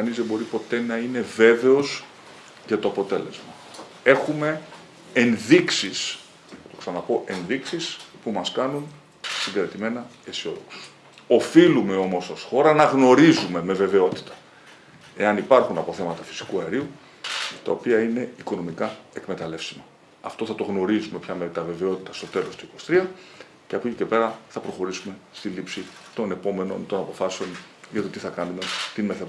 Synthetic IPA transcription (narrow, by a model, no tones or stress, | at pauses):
ɐnizðe̞bo̞ɾipo̞t̪e̞nɐine̞ve̞ve̞o̞s | ʝɐt̪o̞ɐpo̞t̪e̞le̞zmɐ | e̞xume̞ː | nðiksis | t̪oksɐnɐpo̞ʔe̞nðiksispumɐskɐnun | siɡeɾet̪ime̞nɐ | esio̞̰ðo̞ksu̥s | o̞filume̞o̞mo̞sɐsxo̞ɾɐnɐɣno̞ɾizume̞me̞ve̞ve̞o̞t̪i̥t̪ɐ̥ | e̞ɐnipɐɾxunɐpo̞θe̞mɐt̪ɐfi̥si̥kuɐeɾiu | t̪ɐ̰o̞piɐine̞iko̞no̞mikɐe̞kme̞t̪ɐle̞fsimɐ | ɐft̪o̞θɐt̪o̞ɣno̞ɾizume̞pçɐmet̪ɐve̞ve̞o̞t̪it̪ɐst̪o̞t̪e̞lo̞st̪uiko̞st̪ɾiɐ | ceɐpucicepe̞ɾɐθɐpɾo̞xo̞ɾisume̞st̪ilipsit̪o̞ne̞po̞me̞no̞̰nt̪o̞nɐpo̞fɐseo̞n | ʝɐt̪ot̪iθɐkɐnume̞t̪inmeθe